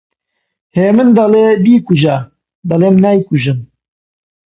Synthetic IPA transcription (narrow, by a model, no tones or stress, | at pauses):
heːmɨnd̪ɑlebiːkuʒa | d̪ɑleːmnæjkuʒɨm